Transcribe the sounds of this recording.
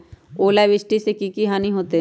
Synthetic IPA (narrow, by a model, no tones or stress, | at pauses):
oːlaʋɪsʈisekikiɦaːniɦoːt̪e